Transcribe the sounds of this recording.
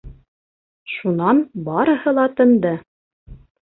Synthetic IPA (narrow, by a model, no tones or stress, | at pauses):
ʃunɑnbɑɾɤ̆hɤlˠɑt̪ɤ̆nd̪ɤ